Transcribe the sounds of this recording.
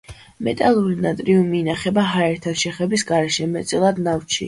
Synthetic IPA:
mɛt̪ʼalˠuɾinat̪ʼɾiumiːnaχɛbaɦaɛɾt̪ʰaʃɛχɛbisɡaɾɛʃɛmɛt̪sʼilˠad̪naft͡ʃʰḭ

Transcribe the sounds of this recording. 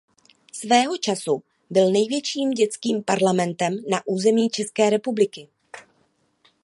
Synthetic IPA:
svɛːɦo̞t͡ʃasu | bɪlnɛjvjɛt͡ʃiːmɟɛt͡skiːmpaɾlamɛnt̪ɛmnaʔuːzɛmiːt͡ʃɛskɛːɾɛpublɪkɪ

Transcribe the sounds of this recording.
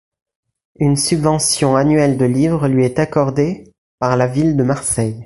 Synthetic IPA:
ynsybvɑ̃sjɔ̃anɥɛld̪əlivʁəlɥiɛt̪akɔʁd̪e | paʁlavild̪əmaʁsɛj

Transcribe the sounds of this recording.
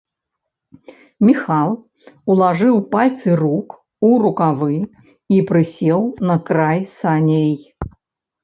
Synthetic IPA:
mʲixalˠ | ulˠaʐɨwpalʲt̪sɨruk | uɾukavɨ | ipɾɨsʲɛwnɐkɾajsanʲej

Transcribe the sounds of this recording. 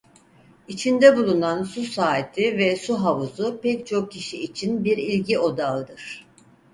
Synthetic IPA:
it͡ʃʰind̪ɛbulˠunansusaːt̪ʰivɛsuɦavuzupɛct͡ʃʰo̞k̚cʰiʃiːt͡ʃʰinbiɾilʲɟio̞d̪alˠd̪ɯɾ̥

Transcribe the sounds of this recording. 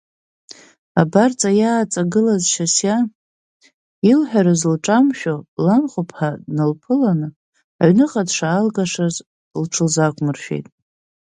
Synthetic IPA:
abart͡sʼajaːt͡sʼaɡɨlazʃasja | ilħʷᶣaɾɨzlʈ͡ʂʼamʃᶣolanχʷʊpʰħanɨlpʰɨlanɨ | aʕɥnɨqʼadʂaːlɡaʂaz | lʈ͡ʂʰɨlzakʷʰʼmɨrʃᶣḛjtʼ

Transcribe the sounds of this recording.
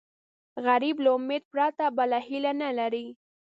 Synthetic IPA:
ɣaɾiblaʊmed̪̚pɾɑt̪abalahilanalaɾi

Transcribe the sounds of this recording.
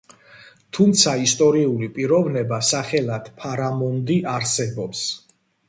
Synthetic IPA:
t̪ʰumt̪sʰaist̪ʼɔɾiulipʼiɾɔvnɛbasaχɛlad̪̥pʰaɾamɔnd̪iʔaɾsɛbɔps

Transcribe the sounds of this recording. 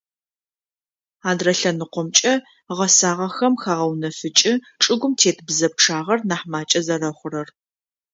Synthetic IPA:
aːdrɐɬɐnɨqʷɔmt͡ʃʼɐ | ʁɐsaːʁɐxɐmxaːʁɐwnɐfɨt͡ʃʼɪ | ʈ͡ʂʼɨɡʷʊmtʰeːtʰbzɐp̚ʈ͡ʂʰaːʁɐrnaːħmaːt͡ʃʼɐzɐrɐχʷʊrɐr

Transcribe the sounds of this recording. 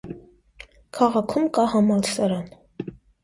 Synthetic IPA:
kʰɑʁɑkʰumkɑhɑmɑlsɑɾɑn

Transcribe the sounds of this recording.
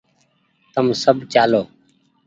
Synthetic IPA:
t̪əmsəbt͡ʃaːloː

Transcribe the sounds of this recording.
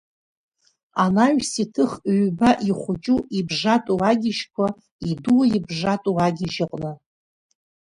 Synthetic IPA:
anaɥʷsitʰɨχɥbaʔiχʷʊt͡ʃʼuibʐatʼuaɡʲɪʃkʷʰa | iduwaibʐatʼuaɡʲɪʒaqʼnɨ

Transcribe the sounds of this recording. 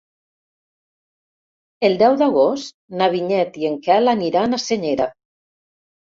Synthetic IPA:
elˠd̪ɛwd̪aɣost̪naβ̞iɲɛt̪ieŋkɛlaniɾanaseɲeɾa

